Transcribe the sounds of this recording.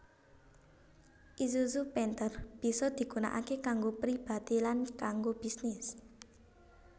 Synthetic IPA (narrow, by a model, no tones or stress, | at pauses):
ʔisusupɛnt̪ərb̥i̤sɔd̪̥i̤ɡ̥una̰ʔa̰kekaŋɡopɾib̥a̤t̪ilankaŋɡob̥i̤snɪs